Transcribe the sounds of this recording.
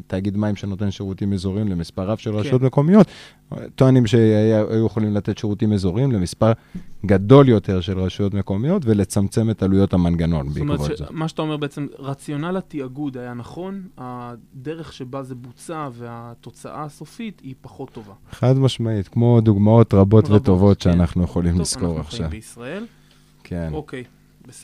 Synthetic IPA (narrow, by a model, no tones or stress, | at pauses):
t̪aːɡid̪maimʃeno̞t̪e̞nʃeʁutimezo̞ʁimle̞mispaʁavʃelʁaʃujo̞t̪meko̞mijo̞t̪ | tːoanimʃeaaa̰jujeχolimlat̪et̪ʃeʁutimezo̞ʁimle̞mispaʁɡad̪o̞ljo̞t̪e̞ʁʃe̞lʁaʃujo̞t̪me̞ko̞mijo̞tve̞le̞t͡samt͡se̞me̞talujo̞thamanɡano̞nbekvozmaʃeat̪aomebeet͡semʁat͡sjo̞nalat̪iaɡud̪ajanaχo̞nad̪eʁeχʃebazebut͡saveat̪o̞t͡sa̰ʔaso̞fitipaχo̞t̪ːovaeχad̪maʃmait̪kmo̞d̪uɡmao̞t̪ʁabo̞vet̪ːo̞vo̞t̪ʃeanaχnujeχolimlisko̞ʁaχʃaveisʁael | kʰenokej | be